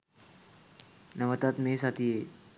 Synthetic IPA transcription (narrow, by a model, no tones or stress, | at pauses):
nəʋət̪at̪mesat̪ʰie